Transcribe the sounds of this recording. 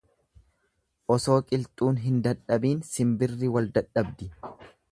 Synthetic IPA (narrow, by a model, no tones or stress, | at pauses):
ʔɔso̞ːkʼɪlt̪ʼuːnɦɪnd̪ɐᶑɐbiːnsɪmbɪrːɪwɐld̪ɐᶑɐbd̪ɪ